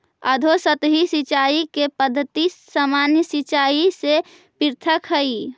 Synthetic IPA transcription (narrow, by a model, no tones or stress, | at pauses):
əd̪ʱosət̪ɦisit͡ʃaikepəd̪ʱːət̪isamanjəsit͡ʃaise | piɾt̪ʰəkɦəi